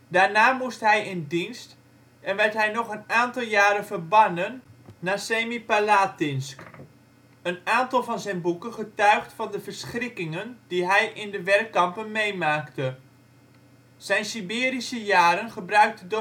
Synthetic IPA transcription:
daːɹnaːmustɦɛjɪndinst | ɛnʋɛɹtɦɛjnɔχənaːntɑlˠjaːɾənvərbɑnənːaːseːmipalaːtɪnsk | ənaːntɑlˠvɑnzɛjnbukənχətœɥχtfɑndəvəɹsχrɪkɪŋənd̥iɦɛjʔɪndəʋɛrkːɑmpənmejmaːktə | z̥ɛjnsibɪːɾisəjaːɾənχəbrœɥk̚tədo

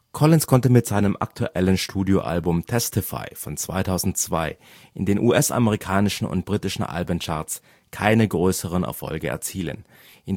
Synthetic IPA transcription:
kʰɔlɪnskʰɔntəmɪtz̥aɪnəmʔa̰k̚tʰuʔɛlənʃtʰuːdjoʔa̰lbʊmtʰɛstʰɪfa̰ɪfɔnt͡sv̥a̰ɪtʰaʊzn̩tt͡sv̥a̰ɪ | ʔɪndeːnʔuːʔɛsʔa̰məʁ̞ikʰaːnɪʃn̩ʊ̰nt̚b̥ʁiːtɪʃn̩ʔa̰lbənt͡ʃa̰ːɐs | kʰaɪnəɡʁøːsəʁ̞ənɛ̰ɐfɔ̰lɡəɛ̰ɐt͡siːlə̰n | ʔɪn

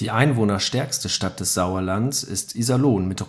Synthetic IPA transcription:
d̥iːʔaɪnvoːnɐʃtɛɐkstəʃtat̚d̥ɛsz̥aʊɐlandəsɪ̰stʔizaloːnmɪt

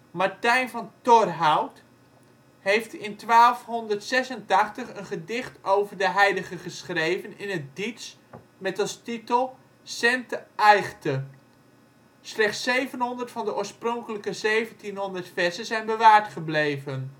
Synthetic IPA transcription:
maɹtɛjnvɑntɔrɦawt | ɦejftɪntʋaːlˠfɦɔndərtsɛsəntɑχtəχənχədɪχtowvəɹdəɦɛjləχəχəsχrejvənɪnət̚dits | mɛtɑlˠstitəlˠ | sɛntəɛjχtə | slɛχtsejvənɦɔndəɹtfɑndəʔoːɹsprɔŋkələkəzejvəntinɦɔndəɹtfɛsəzɛjnbəʋaːɹtχəblejvən

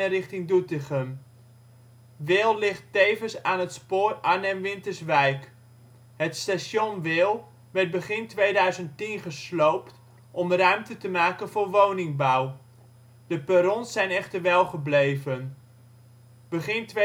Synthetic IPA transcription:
rɪχtɪŋdutəχən | ʋɪːlˠlɪχtejvənsaːnɦətspoːranɛnʋɪntərsʋɛjk | hətstasjonʋɪːlˠ | ʋɛrt̚bəχɪntʋejdœɥzəntinχəslowpt | ʔɔmrœɥmtətəmaːkənvʊːrʋownɪŋbaw | dəpəɾɔnsɛjnɛχtərʋɛlˠχəblejvən | b̥əχɪnt

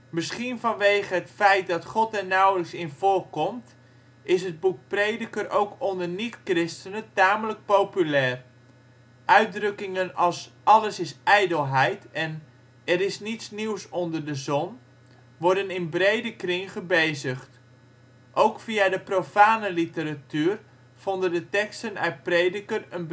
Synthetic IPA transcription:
mɪsχinvɑnʋejχəɦətfɛjt̚dɑtχɔtɛɹnɑwləksɪnv̥ʊːrkɔmt | ʔɪsɦəd̚buk̚prejdəkəɾowkɔndərnitkrɪstənəntaːmələk̚powpylɛːr | ʔœɥt̚drɵkɪŋənɑlˠsɑləsɪsɛjdəlˠɦɛjtɛn | ɛɾɪsnitsniwsɔndərdəzɔn | ʋɔɹdənɪnbrejdəkrɪŋχəbejzəχt | ʔowkfiadəprofaːnəlitəɾatyːr | fɔndəndətɛkstənœ̰ɥt̚prejdəkərən

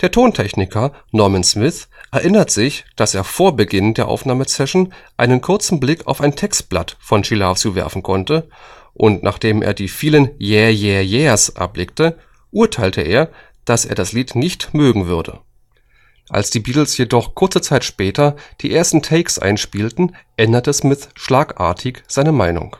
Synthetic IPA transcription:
d̥eːɐtʰoːntʰɛçnɪkʰɐnɔɐmɛnsmɪθʔɛɐʔɪnɐtz̥ɪçd̥aseːɐfoːɐbəɡɪndeːɐʔa̰ʊfnaːməsɛʃn̩ʔaɪnənkʰʊɐt͡sn̩blɪkʰa̰ʊfaɪntʰɛkst̚b̥la̰tfɔnʃilaːft͡suːvɛ̰ɐfn̩kʰɔntə | ʔʊntnʔaːχd̥eːmʔḛːɐdiːfiːlənjɛjɛjɛːɐsʔa̰ɐblɪk̚tə | ʔuːɐtʰaɪltʰəʔḛːɐ | d̥asḛːɐdasliːtnɪçtmøːɡŋ̩vʏɐdə̰ | ʔa̰lsd̥iːbiːtl̩sjedɔχkʰʊɐt͡sət͡saɪtʃpɛːtɐd̥iːʔeːɐstn̩tʰɛɪksʔa̰ɪnʃpiːltn̩ʔɛndɐtɛsmɪθʃlaːkʔa̰ːɐtʰɪçz̥aɪnəmaɪnʊ̰ŋ

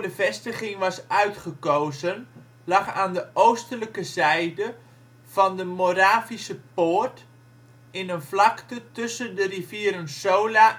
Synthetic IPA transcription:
dəvɛstəχɪŋʋɑsœɥtχəkoːzən | lɑχaːndəʔowstələkəzɛjdə | v̥ɑndəmoɾaːfisəpoːrt | ɪnənflɑktətɵsədərifiəɾənsoːla

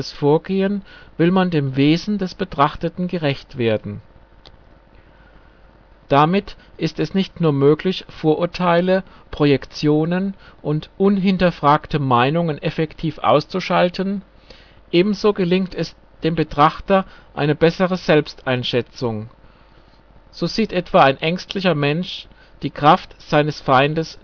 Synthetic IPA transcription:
asfoːɐɡeːənvɪlmandeːmveːzn̩dɛsb̥ətʁ̥aχtətn̩ɡəʁɛçtv̥eːɐdn̩ | d̥amɪt | ʔɪstɛsnɪçtnuːɐmøːklɪçfoːɐʔʊɐtʰaɪləpʁ̥ojɛkt͡sjoːnənʔʊntʔʊnɦɪntɐfʁ̥aːktəmaɪnʊŋənʔɛfɛktʰiːfʔa̰ʊst͡suʃaltʰən | ʔeːbm̩zoːɡəlɪŋtʰɛs | d̥eːmbətʁ̥aχtɐʔa̰ɪnəbɛsəʁəzɛlpstʔaɪnʃɛt͡sʊŋ | z̥oːziːtʔɛtv̥aːaɪnʔɛŋstʰlɪçɐmɛnʃ | d̥iːkʁ̥aftz̥aɪnəsfaɪndəs

